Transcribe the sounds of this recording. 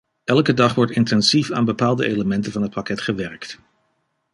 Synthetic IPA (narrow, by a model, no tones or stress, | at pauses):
ɛlˠkədɑχʋɔɹtɪntɛnsifaːnbəpaːlˠdə̰ʔejləmɛntənvɑnɦət̚pɑkɛtχəʋɛɹkt